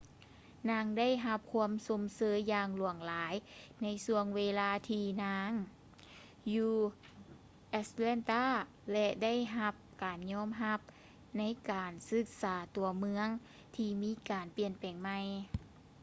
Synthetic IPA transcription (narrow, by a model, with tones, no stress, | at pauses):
naː˧˥ŋda˥˩jɦa˧p̚kʰu˧˥əmso˨˦msɤː˨˧˦jːaː˧ŋlu˨˩əŋlaː˨˦jna˧˥jsu˧əŋweː˧laː˧t̪ʰiː˧naː˧˥ŋ | juː˧ | ʔɛ˧slɛː˧˥˨nt̪aː˥˩ | lɛ˧da˥˩jɦa˧p̚kaː˨˩nɲɔː˧˥˨mɦa˧˥p̚ | na˧˥˨jkaː˨nsɯ˧k̚saː˩˦t̪u˨˩əmɯ˧˥əŋ | t̪ʰiː˧miː˧˥kaː˨˩npi˨˧ənpɛː˨˩ŋma˧j